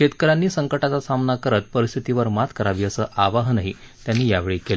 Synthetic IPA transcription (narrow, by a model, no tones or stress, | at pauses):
ket̪kəɾanːiːsəŋkəʈat͡sasamnakəɾət̪̚pəɾist̪ʰit̪iʋəɾmat̪ʰkəɾaʋiːəsəːʔaʋaɦnaɦi | t̪janːiːjaʋeɭiːkel